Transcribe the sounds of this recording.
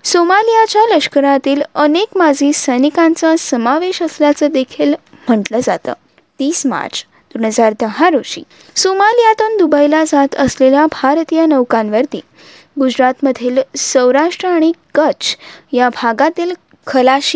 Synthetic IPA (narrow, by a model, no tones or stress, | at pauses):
somalijat͡ɕjaləɕkəɾat̪iːlənekmad͡ʑʱiːsəjnikãnt͡sasəmaʋeɕəsljat͡səːd̪ekʰel | m̤əʈləd͡zat̪ə̰ː | t̪iːsma̰ɾt͡s | d̪̥onəd͡zaɾd̪əɦaɾoɕḭː | somalijat̪und̪ubajlad͡zat̪əsleljabʱaɾt̪ijanəʋkãnʋəɾt̪ḭː | ɡud͡ʑɾat̪məd̪ʱiːlsəwɾaʂʈɾəaɽ̃ikət͡ɕjabʱaɡat̪iːl | kʰəlaɕiː